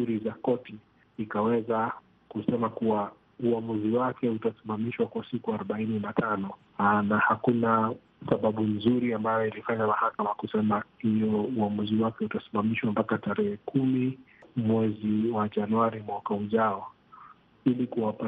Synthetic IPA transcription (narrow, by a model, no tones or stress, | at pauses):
uɾizakɔti | ikawɛza | kusɛmakuwa | uamuziwakɛutasimamiʃwakwasikuaɾɔɓaininatʰanɔ | nahakuna | saɓaɓunzuɾiambajɔilifaɲamahakamakusɛmahijɔuamuziwakɛutasi̥mamiʃwampakataɾɛhɛkʰumi | mwɛziwaʄanuaɾimwakauʄaɔ | ilikuwapa